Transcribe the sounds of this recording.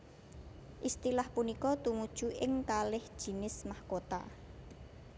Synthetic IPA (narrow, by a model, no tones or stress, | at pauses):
ʔist̪ilahpunikɔt̪umud̥ʒ̥ṳʔɪŋkalɪhd̥ʒ̥i̤nɪsmahkot̪a̰